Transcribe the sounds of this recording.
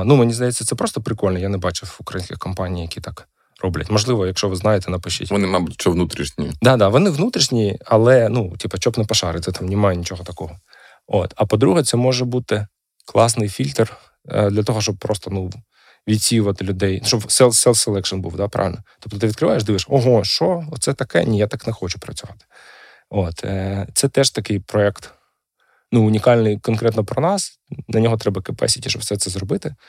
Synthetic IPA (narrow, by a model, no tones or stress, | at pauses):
numɪnʲizd̪ɐjɛt͡sʲːɐt̪sɛpɾɔst̪ɔpɾɪkɔlʲnjanɛbɑt͡ʃʊʊkɾɐjinsʲkʲɪxkɔmpɑnʲijjɐkʲit̪ɑk | rɔblʲɐ̰tʲmɔʒlˠɪʋɔjɐkʃt͡ʃɔʋɪznɑjet̪ɛnɐpʊʃt͡ʃɪ̰tʲʋɔnɪmɑbʊtʲt͡ʃɔʋnut̪ɾʲiʃnʲḭd̪ɑd̪ɑʋɔnɪʋnut̪ɾʲiʃnʲiɐlˠɛnutʲipɐt͡ʃɔpnɪjpɐʃɑɾɪt̪ɛt̪ɑmnʲɪmɑjɛnʲit͡ʃɔɦɔt̪ɐkɔɦɔ | ot̪ɐpɔd̪ɾuɦɛt̪sɛmɔʐɛbut̪ɪ | klˠɑsnɪjfʲilʲt̪r | d̪lʲɐt̪ɔɦɔʃt͡ʃɔb̚pːɾɔst̪ɔnu | ʋʲid̪ʲsʲijʊʋɐt̪ɪlʲʊd̪ɛjnʃt͡ʃɔbsɛlˠsɛlˠselˠɛkʃɔnbṵwd̪ɑpɾʔɑ̰ʋɪ̰lʲnɔt̪ɔp̚t̪ɔt̪ɪʋʲid̪̚kɾɪʋɑjeʃd̪ɪʋɪʃɔɦɔʃɔt̪sɛt̪ɐkɛ̰nʲijat̪ɑknɛxɔt͡ʃʊ̥pɾɐt͡sʲʊʋɑt̪ɪ̥ | ot̪t̪sɛt̪ɛʒt̪ɐkɪjpɾɔɛkt̪ | nuʊnʲikɑlʲnɪjkɔnkɾɛt̪nɔpɾɔnɑs | nnʲɐnʲɔɦɔt̪ɾɛbɐkɪpɛ̰sʲitʲiʃɔbfsɛt̪sɛzɾɔbɪt̪ɪ